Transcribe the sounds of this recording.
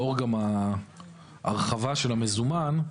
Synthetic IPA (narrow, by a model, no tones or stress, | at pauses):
o̞ʁɡama | ʔaʁχavaʃe̞lame̞zuman